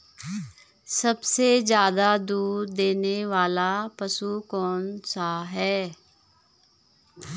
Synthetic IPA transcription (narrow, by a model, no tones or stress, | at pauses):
səbsezjaːd̪aːd̪uːɾd̪eːneʋaːlaːpəsuːkɔːnsaːɦɛː